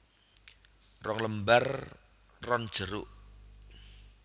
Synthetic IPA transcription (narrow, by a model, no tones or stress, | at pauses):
rɔŋləmbar | rɔnd̥ʒ̥əɾʊʔ